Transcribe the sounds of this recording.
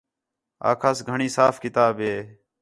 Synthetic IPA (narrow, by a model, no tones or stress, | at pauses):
a̰ːkʰaːsɡʱəɳiːsaːfkɪt̪aːbɦeː